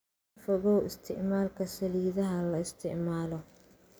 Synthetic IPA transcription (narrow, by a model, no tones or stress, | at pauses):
fɔɣɔwɪst̪ʰɪ̰ʔmaːlkʰɐsɐliːðɐɦɐlɐɪst̪ʰɪ̰ʕmaːlɔ